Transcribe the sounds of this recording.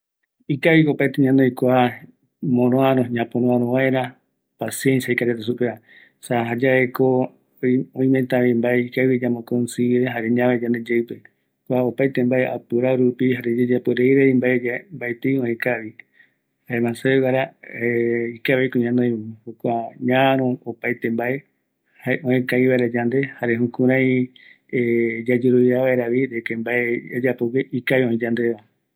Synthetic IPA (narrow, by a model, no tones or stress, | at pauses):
ikaβikopajt̪eɲãnõjkʷa | mõɾõaɾoɲãpõɾõaɾõβaeɾa | pasijensjaikaɾet̪esupea | saɦad͡ʒaeko | õĩment̪ãβĩmbaeikaβid͡ʒamõkonsiɾeɦaɾeɲãβed͡ʒãnd̪e̞d͡ʒewpe | kʷaopajt̪embaea̰pɨɾaɾupiɦaɾed͡ʒed͡ʒapɨɾeiɾeimbaed͡ʒambajt̪eõẽkaβi | haemãseekaɾa | ikaβekoɲãnoj̃hokʷaɲãɾõopajt̪ẽmbae | haeʔõẽkaiβaeɾad͡ʒand̪e̞haɾeɦũkũɾ̃ãĩ | ed͡ʒad͡ʒoɾoβjaʋaeɾaʋiɾekembaead͡ʒapokeʔikaβiõĩd͡ʒand̪eʋa